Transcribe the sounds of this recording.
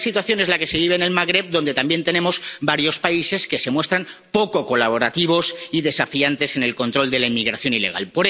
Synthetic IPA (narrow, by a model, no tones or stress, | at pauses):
sit̪waθjo̞ne̞zlake̞se̞β̞iβ̞e̞ːne̞lmaɣɾe̞b̚d̪o̞nd̪e̞t̪ambje̞nt̪e̞nẽ̞mo̞zbaɾjo̞spaise̞ske̞se̞mwe̞st̪ɾan | po̞ko̞ko̞laβ̞o̞ɾat̪iβ̞o̞siðe̞safiant̪e̞se̞ne̞lko̞nt̪ɾo̞ld̪e̞laimiɣ̞ɾaθjo̞nile̞ɣ̞a̰lpo̞ɾe